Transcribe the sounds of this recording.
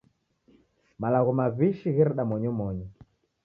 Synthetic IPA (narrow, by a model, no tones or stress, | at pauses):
malaɣɔmaβiʃiɣɛɾɛɗamɔɲɔmɔɲɔ